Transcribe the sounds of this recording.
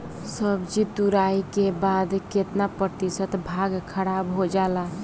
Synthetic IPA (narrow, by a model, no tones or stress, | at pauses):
səbd͡ʒit̪uɾaikebad̪ket̪napɾət̪isət̪bʱaɡkʰəɽabɦod͡ʒala